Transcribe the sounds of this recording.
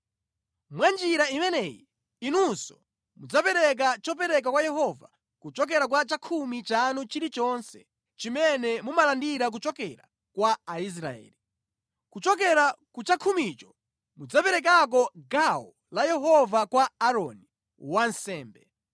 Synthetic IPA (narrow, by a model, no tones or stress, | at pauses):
mwand͡ʒiɾaimɛnɛjḭ | inusɔ | mud͡zapɛɾɛk̬at͡ʃɔp̬ɛɾɛk̬akwajɛɦɔva̰ | kut͡ʃɔk̬ɛɾak̬wat͡ʃakʰumit͡ʃanut͡ʃiɾit͡ʃɔnsɛ̰ | t͡ʃimɛnɛmumalandiɾak̬ut͡ʃɔkɛɾa̰ | kwaːis̬ɾa̰ɛ̰ːli | kut͡ʃɔk̬ɛɾakut͡ʃakʰumit͡ʃɔ | mud͡zapɛɾɛk̬ak̬ɔɡawɔ | lajɛɦɔvakwaːɾɔ̰ni | wansɛːmbɛ